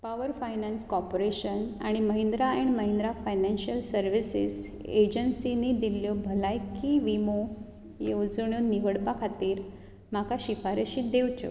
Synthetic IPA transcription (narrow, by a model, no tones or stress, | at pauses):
paʋəɾfajnanskɔɾpoɾeɕənaɽ̃iməɦind̪ɾaɛɳməɦĩnd̪ɾafajnanɕiəlsəɾʋisḭs | ed͡ʑənsinid̪iljobʱəlajkiʋimo | jod͡zɳjoniʋəɽpakʰat̪iːɾ | m̤akaɕifaɾəɕiːd̪ewt͡ɕo̰